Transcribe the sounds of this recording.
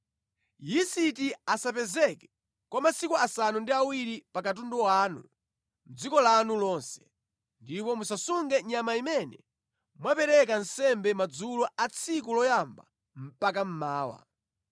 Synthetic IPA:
jisitiasap̬ɛzɛkɛ | kwamasikuasanundiawiɾipakat̬undɔwaːnṵ | m̩d͡zikɔlanulɔːnsɛ̥ | ndipɔmusasuŋɡɛɲamaimɛnɛ | mwapɛɾɛkan̩sɛmbɛmad͡zulɔʔat͡sʰikulɔjamba̰ | m̩pak̬am̩maːwa̰

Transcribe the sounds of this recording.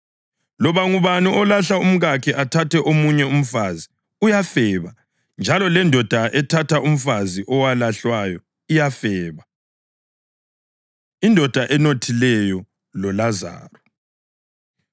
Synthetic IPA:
lɔβaŋuβaniɔlaɬaum̩ɣakʰɛʔatʰatɛʔomuɲɛum̩fazi | ujafɛβa | nd͡ʒʱalɔlɛndʱɔd̥ʱaʔɛtʰatʰaʔum̩faziʔɔwalaɬwajɔ | ijafɛːβa | indʱɔd̥ʱaʔɛnotʰilɛjɔ | lɔlaza̰ːrɔ

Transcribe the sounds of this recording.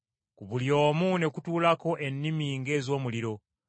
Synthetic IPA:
kuβuljo̞ːmune̞kutuːlako̞ʔe̞nːimiŋɡe̞ːzo̞ːmuliɾo̞

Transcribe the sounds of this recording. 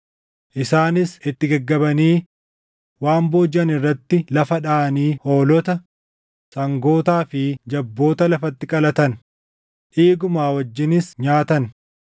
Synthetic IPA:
ʔɪsaːnɪsɪt̪ːɪɡɐɡːɐbɐniː | waːmboːd͡ʒɐnɪrːɐt̪ːɪlɐfɐᶑaːʔɐniːho̞ːlɔt̪ɐ | sɐŋɡo̞ːt̪aːfɪd͡ʒɐbːo̞ːt̪ɐlɐfɐt̪ːɪkʼɐlɐt̪ɐn | ʔiːɡʊmaːwɐd͡ʒːɪnɪsɲaːt̪ɐn

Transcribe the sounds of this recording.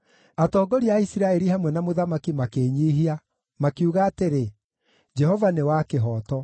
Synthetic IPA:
atɔːɡɔɾiaisiɾaɛɾiɦamwɛnamoðamakimakeːɲiːɦia | makiuɣaːteɾe | d͡ʒɛhɔvanewakeɦɔːtɔ

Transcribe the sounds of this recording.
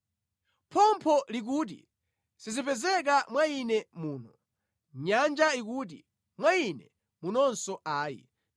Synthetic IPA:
pʰɔmpʰɔlik̬uːt̬ḭ | sizipɛzɛkamwainɛmuːnɔ | ɲand͡ʒaikuːt̬ḭ | mwainɛ | munɔnsɔʔaːjḭ

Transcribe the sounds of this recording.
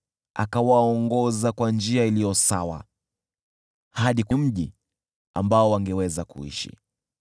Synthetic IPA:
a̰kawaɔŋɡɔzakwand͡ʒiailijɔsawa̰ | haɗikum̩ʄi | a̰mbaɔwaŋɡɛwɛzakṵḭʃḭ

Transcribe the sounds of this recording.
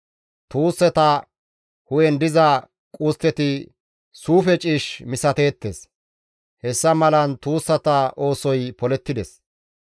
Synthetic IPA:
t̪uːsːɛt̪ɐ | hʊjɛnd̪ɪzɐ | kʼuːst̪ːɛt̪ɪ | suːfɛt͡ʃʼiːʃmɪsɐt̪e̞ːt̪ːḛs | hɛsːɐmɐlɐnt̪uːsːɐt̪ɐʔo̞ːsɔjpɔlɛt̪ːɪd̪ɛs

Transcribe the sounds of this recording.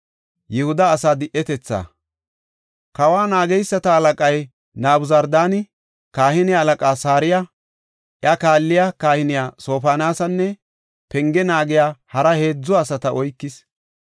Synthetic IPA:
jɛhʊd̪ɐːsaːd̪ɪʔːɛt̪ɛt͡sːa̰ː | kɐwaːnaːɡɛjsːɐt̪ɐːlɐkʼɐj | naːbʊzɐɾd̪aːnɪ | kaːhɪnɪjaːlɐkʼaːsaːɾɪja | ʔjɐkaːlːɪjakaːhɪnɪjaːso̞ːpaːnaːsɐnːɛ | pɛŋɡɛnaːɡɪjaːhɐɾɐhe̞ːd͡zːɔɐsɐt̪ɐʔɔjkːɪs

